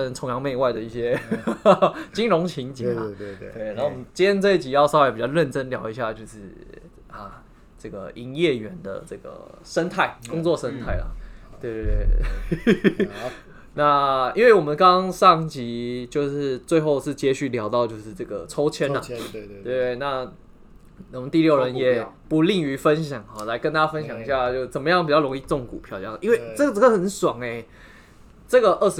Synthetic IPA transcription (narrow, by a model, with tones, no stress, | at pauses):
ə˧nʈ͡ʂʰʊ˧˥ŋjɑ˧˥ŋme˥˧ɪwa˥ɪd̪ə˩˦i˥˩ɕjɛ˥˦ | t͡ɕi˥nɻʊ˧˥ŋt͡ɕʰi˧˥ŋt͡ɕi˨˩n˩˧˥t̪we˥˩ɪna˨˥o˥˩wɔ˨mə˦nt͡ɕi˥jɛ˥˧t͡sɤ˥˧i˥˩t͡ɕi˨˩jɑ˥˧ʊsɑ˥˧˦wpi˨˩t͡ɕɑ˥˧ʊɻə˥˩nʈ͡ʂə˥nljɑ˨˩ʊi˧˥ɕja˥˩t͡ɕjo˥˧ʊʂɻ̩˥˩ | ɐ˨ | ʈ͡ʂɤ˥˩ɡə̰˩i˧˥ŋjɛ˥˩ɥɛ˨˩˦nd̪ə̰˨˩ʈ͡ʂɤ˥˩ɡə̰˩ʂə˥nt̪ʰa˥˩ɪkkʊ˥ŋt͡swɔ˥˩ʂə˥nt̪ʰa˥˩ɪlɐ̰˩t̪we˥˩ɪt̪we˥˧e˥˩ | na˥˨ḭ˥nwe˥˩ɪwɔ˨˩mə˨˦nkɑ˦˥ŋʂɑ˥˩ŋt͡ɕi˧˥t͡ɕjo˥˧ʊʂɻ̩˥˧t͡swe˥˧ɪxo˥˧ʊʂɻ̩˥˩t͡ɕjɛ˥ɕy˥˩ljɑ˨˥ʊt̪ɑ˥˧ʊt͡ɕjo˥˧ʊʂɻ̩˥˧ʈ͡ʂɤ˥˩ɡə̰˩ʈ͡ʂʰo˥ʊt͡ɕʰjɛ˥nnɐ˨t̪we˥˩t̪e˥˩ɪna˥˩ | wɔ˨˩mə˦nt̪i˥˧ljo˥˩ɻə˧˦njɛ˨˩pu˧˥li˥˩ŋy˧˥fə˦˥nɕjɑ˨˩˦ŋa˨˩la˧˥ɪkə˥nt̪a˥a˥fə˦nɕ̬jɑ˨˩ŋi˧˥ɕja˥˧t͡ɕjo˥˧ʊʂt͡sə˨˩nmə˦jɑ˥˩ŋpi˨˩t͡ɕɑ˥˩lo˧˥ŋi˥˧ʈ͡ʂʊ˥˩ŋkṵ˨˩pʰjɑ˥˧ʊt͡ɕjɑ˥˩ʔi˥nwe˥˩ɪʈ͡ʂɤ˥˩ɡə˩t͡sə˥ɡə˩xə˨˦nswa˨˩ŋe˨˩ | ʈ͡ʂɤ˥˩ɡə˩ʔə˥˩ʂ